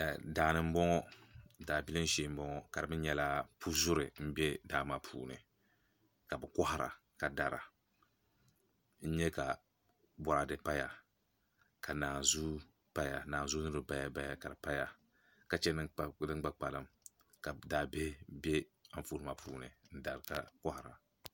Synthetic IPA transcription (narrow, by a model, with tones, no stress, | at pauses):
a˨daː˨nɨ˦m̩˦bɔ˦ŋɔ˦daː˨bi˦lɨ˦n̩˦ʃi˦m̩˦bɔ˦ŋɔ˦ka˨dɨ˨bɨ˦n˦ɲɛ˦la˦pʰu˦zʊ˦ɾɨ˨m̩˦bɛ˦daː˦ma˨pʰṵː˨nɨ̰˨ | ka˨bɨ˨kɔ˦ha˨ɾa̰˨ | ka˨da˨ɾa̰˨ | n̩˦ɲɛ˦ka˨ | bɔ˨ɾa˨dɨ˨pa˦ja˨ | ka˨naː˨zu˦ | pa˦ja˨naː˨n˨zu˦nɨ˦ɾɨ˦ba˨ja˨ba˨ja˨ka˨ɾɨ˨pa˦ja˨ | ka˨t͡ʃɛ˦nɨ˦˨dɨ˦ŋ˦ɡ͡ba˦k͡pa˨lɨ˨m | ka˨daː˨be˦bɛ˦a˨ɱ˦˨fu˦ɾma˨pʰuː˨nɨ̰˨n̩˦da˨ɾɨ˨ka˦kɔ˦ha˨ɾa̰˨